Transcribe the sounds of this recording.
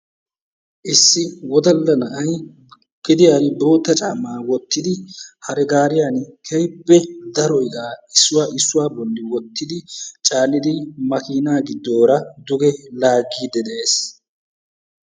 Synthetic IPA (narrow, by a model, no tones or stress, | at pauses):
ʔɪsːɪwɔd̪ɐlːɐnɐʔɐj | kːɪd̪ɪjanbo̞ːt̪ːɐt͡ʃʼaːmaːwɔt̪ːɪd̪ɪhɐɾɛɡaːɾɪjaːnkʰɛjbːɛd̪ɐɾɔjɡaːɪsːʊwaːʔɪsːʊwaːbɔlːɪwɔt̪ːɪd̪ɪt͡ʃʼaːnːɪd̪ɪmɐkiːnaːɡɪd̪ːo̞ːɾɐd̪ʊɡɛlaːɡiːd̪ɛd̪ɛʔeːs